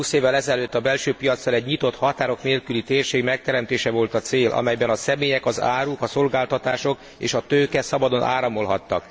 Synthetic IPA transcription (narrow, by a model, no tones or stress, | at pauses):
uːseːvːɛlɛzɛløːt̪ːɒbɛlʃøːpijɒt̪sːɒlɛɟɲit̪o̞t̪hɒt̪aːɾo̞kneːlkylit̪eːrʃeːɡmɛk̚t̪ɛɾɛmt̪eːʃɛvo̞lt̪ɒt̪seːlʔɒ̰mɛjbɛnɒsɛmeːjɛkɒza̰ːɾukɒso̞lɡaːlt̪ɒt̪aːʃo̞k | ḛːʃɒt̪øːkɛsɒbɒd̪o̞nʔa̰ːɾɒmo̞lɦɒt̪ːɒ̰k